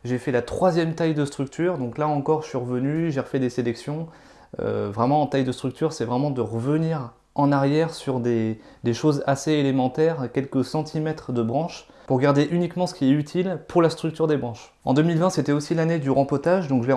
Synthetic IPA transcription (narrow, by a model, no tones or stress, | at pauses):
ʒefɛlat̪χwazjɛmt̪ajd̪əst̪χyk̚t̪ʰyʁd̪ɔ̃klaɑ̃kɔʁʒəsɥiʁəvənyʒeʁəfɛd̪eselɛksjɔ̃ | ø̰vʁɛmɑ̃ɑ̃t̪ajd̪əst̪χyk̚t̪ʰyʁsɛvʁɛmɑ̃d̪əʁəvəniʁ | ɑ̃naʁjɛʁsyʁd̪e | d̪eʃozaseelemɑ̃t̪ɛʁkʲɛlkəsɑ̃t̪ʰimɛt̪χəd̪əbʁɑ̃ʃpuʁɡaʁd̪eʔynikmɑ̃sə̥kʲiɛyt̪ʰilpuʁlast̪χyk̚t̪yʁd̪ebʁɑ̃ʃ | ɑ̰̃d̪əmilvɛ̃set̪ɛosilaned̪yʁɑ̃pɔt̪aʒd̪ɔ̃kʒəle